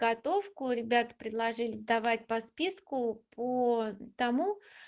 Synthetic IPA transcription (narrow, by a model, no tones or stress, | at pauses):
ɡɐt̪o̞fkʊɾʲɪbʲat̪ə̥pɾʲɪd̪lˠɐʐɨlʲɪzd̪ɐvat̚ʲpɐspʲiskʊpʰət̪ɐmu